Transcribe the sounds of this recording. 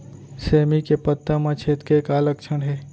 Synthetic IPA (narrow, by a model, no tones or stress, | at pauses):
seːmikepət̪ːəmãt͡ʃʰeːt̪kekaːlək̚t͡ʃʰənɦe